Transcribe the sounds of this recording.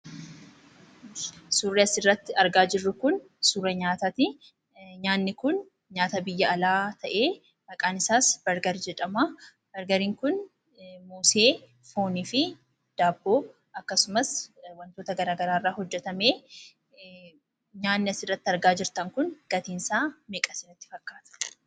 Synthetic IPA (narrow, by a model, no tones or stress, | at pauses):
suːrːɛɐsɪrːɐt̪ːɪɐɾɡaːd͡ʒɪrːʊkʊn | suːrɛɲaːt̪ɐt̪ɪ | ɲaːnːɪkʊn | ɲaːt̪ɐbɪjːɐɐlaːt̪ʰɐʔe̞ː | ʔɐkʼaːnɪsaːsb̥ɐɾɡɐɾid͡ʒɛᶑɐmaː | b̥ɐɾɡɐɾiːŋkʊn | moːseː | fo̞ːniːfɪ | d̪̥aːbːo̞ː | ɐkːɐsʊmɐswɐnt̪o̞ːt̪ɐɡɐɾaːɡɐɾaːɪrːaːhɔd͡ʒːɛt̪ɐme̞ː | ɲaːnːɪɐsɪrːɐt̪ːɪɐɾɡaːd͡ʒɪɾt̪ɐŋkʊnɡ̥ɐt̪iːnsaːmeːkʼɐsɪnɐt̪ːɪ̥fɐkːaːt̪ɐ̥